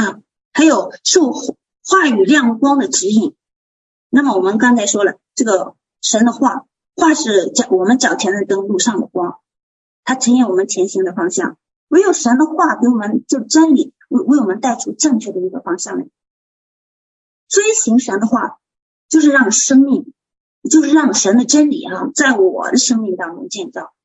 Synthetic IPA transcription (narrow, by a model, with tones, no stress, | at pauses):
ɐ˥˧˩ | xa˧˥ɪjo˨˩ʊʂu˥˩ | xwa˥˩y˨˩ljɑ˥˩ŋə˨˩kwɑ˥ŋd̪ə˨ʈ͡ʂ̩˧˥i˨˩ŋ | na˥˩mə˨˩wɔ˨˩mə˦nkɑ˥ŋt͡sʰa˧˥ɪʂwɔ˥lə˨˩ʈ͡ʂɤ˥˩ɡə˩ | ʂə˧˥nd̪ə˧xwa˥˩ | xwa˥˧ʂɻ̩˥˩t͡ɕɑ˨˩wɔ˨˩mə˦nt͡ɕjɑ˨˩ʊt͡ɕʰjɛ˧˥nə˧˩t̪ɤ˥ŋlu˥˧ʂɑ˥˩ŋd̪ə̰˩kwɑ˥ŋ | t̪ʰa˥ʈ͡ʂʰɤ˧˥ŋjɛ˥˩wɔ˨˩mə˦nt͡ɕʰjɛ˧˥nɕi˧˥ŋd̪ə˨fɑ˥ŋɕjɑ̰˥˩ŋ | wɛ˧˥ɪjo˨˩ʊʂə˧˥nd̪ə˧xwa˥˩pi˧˥wɔ˨˩mə˧˦nʈ͡ʂɤ˥˩ə˩ʈ͡ʂə˥nlḭ˨˩˦ | we˥˩ɪwe˧˥˩ɪwɔ˨˩mə˧˦nt̪a˥˩ɪʈ͡ʂʰu˥ʈ͡ʂɤ˥˧ŋt͡ɕʰɥɛ˥˩d̪ə˩i˧˥ɡə̰˨fɑ˥ŋɕjɑ˥˩ŋə̰˩ | swi˧˥ɕi˧˥ŋʂə˧˥nd̪ə˧xwa̰˥˩ | t͡ɕjo˥˧ʊʂɻ̩˥˧ɻɑ˥˩ŋʂɤ˥ŋmi˥˩ŋ | t͡ɕjo˥˧ʊʂɻ̩˥˧ɻɑ˥˩ŋʂə˧˥nd̪ə˧ʈ͡ʂə˥nlḭ˨˩xa˥˧t͡sa˥˩ɪwɔ̰˨˩d̪ə˦ʂɤ˥ŋmi˥˩ŋt̪ɑ˥ŋʈ͡ʂʊ̰˥ŋt͡ɕjɛ˥˧nʈ͡ʂɑ˥˩ʊ